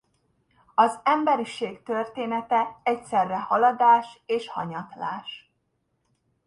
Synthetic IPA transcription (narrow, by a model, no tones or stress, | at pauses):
ɒzɛmbɛɾiʃeːkt̪ørt̪eːnɛt̪ɛɛcsɛrːɛhɒlɒd̪aːʃeːʃhɒ̰ɲɒt̪la̰ːʃ